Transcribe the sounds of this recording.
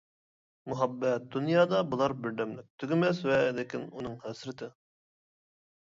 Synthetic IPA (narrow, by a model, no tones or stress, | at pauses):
muɦɑbːɛt̪̚d̪unjɑːd̪ɑbulˠɑɾbɪɾd̪ɛmlɪk̚ʲt̪ʰyɡʲɪmɛswɛlɪkʲinunɨŋhæsɾɪt̪ʰɪ